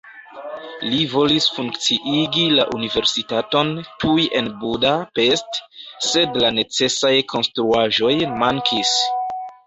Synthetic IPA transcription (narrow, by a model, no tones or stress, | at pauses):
livo̞lisfuŋkt͡siʔiɡilaʔunive̞ɾsitato̞ntʰujʔe̞nbudape̞stse̞dlane̞t͡se̞sajkʰo̞nstɾuaʒo̞jmaŋkʰis